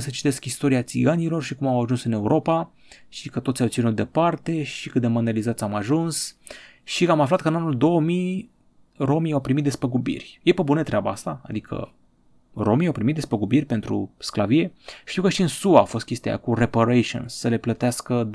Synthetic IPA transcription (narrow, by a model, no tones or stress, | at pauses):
sət͡ʃi̥t̪e̞skist̪o̞ɾiat̪siɡanilo̞rʃikumawaʒunsɨne̞uɾʔo̞pa | ʃikət̪otsʲjawt̪sinut̪̚d̪e̞part̪e̞ʃikɨt̪̚d̪e̞mond̪alizat̪sʲamaʒuns | ʃiamaflat̪̚kəɨnanuld̪o̞wəmij | ro̞miawpɾimit̪̚d̪e̞spəɡubḭrʲje̞pebunət̪ɾeabaast̪a̰ːd̪ikʰə̰ | ro̞miawpɾimit̪̚d̪espəɡubirʲpe̞nt̪ɾṵsklavie̞ʃt̪iwkəʃiɨnsuaːfo̞st̪kʲe̞st̪ḛja̰kurepaɾejʃo̰nsəle̞plət̪easkə